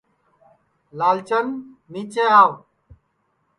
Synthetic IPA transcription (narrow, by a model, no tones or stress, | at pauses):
laːlt͡ʃənmiːt͡ʃeaːw